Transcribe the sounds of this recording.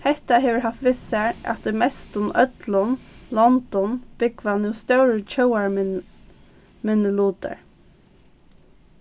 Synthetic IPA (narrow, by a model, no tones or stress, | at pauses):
hɛht̪aɦeːʋəɹɦaft̪ʋɪsɛɹa̰t̪ɔmɛst̪ʊnœt̪lənlɔnd̪̥ɔnb̥ɪkʋanuːst̪œwɹət͡ʃʰœwaɹ | mɛnəluːt̪ə̰ɹ